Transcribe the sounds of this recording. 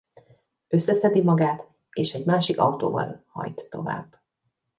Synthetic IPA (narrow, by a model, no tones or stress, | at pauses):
ø̞sːɛsɛd̪imɒɡaːt̪ | eːʃɛɟmaːʃikɒwt̪o̰ːvɒ̰lhɒ̰jt̪ːo̞̰va̰ːbː